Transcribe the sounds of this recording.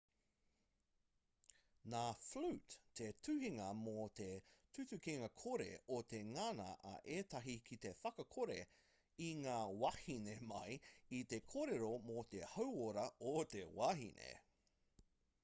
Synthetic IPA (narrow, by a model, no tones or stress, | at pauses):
naːflʉtʰːetʰʉhiŋɐmot̪etʰʉtʉkiŋɐkʰoɾḛot̪eŋanɐ̰ʔɐ̰ʔeːt̪ɐɦikʰit̪e̞fɐkɐkʰoɾe | iŋaːwahinemɐjit̪ekʰoɾeɾomot̪ehɐwoɾɐot̪ewaɦḭnḛ